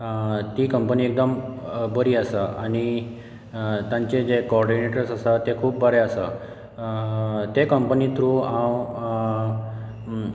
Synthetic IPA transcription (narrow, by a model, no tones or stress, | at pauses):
t̪iːkəmpəniːek̚d̪əmbəɾiːasəʔaɽ̃i | t̪jãɲt͡ɕed͡ʑekɔɾɖineʈəɾsasat̪ekʰuːp̚bʱəɾeasə | t̪ekəmpənit̪ɾuãw